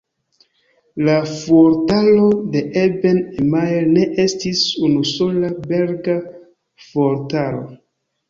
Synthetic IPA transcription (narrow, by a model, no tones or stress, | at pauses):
lafoɾtalode̞ʔebenemajlne̞ʔe̞stisunuso̞labe̞ɾɡa | foɾtalo̞̰